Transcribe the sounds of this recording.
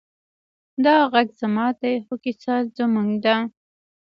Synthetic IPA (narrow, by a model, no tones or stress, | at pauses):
d̪ɑɣaɡz̥amɑd̪ejxʊkisɑzəmuŋɡd̪a